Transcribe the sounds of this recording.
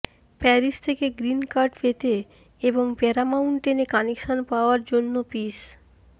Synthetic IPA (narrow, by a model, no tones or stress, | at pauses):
pɛɾist̪ʰekeɡɾinkaɾɖfet̪e | eboŋpɛɾamawnʈenekanikʃonpaoaɾd͡ʑonːopis